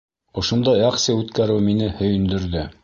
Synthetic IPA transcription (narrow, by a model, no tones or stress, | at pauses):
ŏʃŏnd̪ɑjæqsɘʉt̪kæɾɘwminɘhɵ̆jɵ̆nd̪ɘ̆ɾðɘ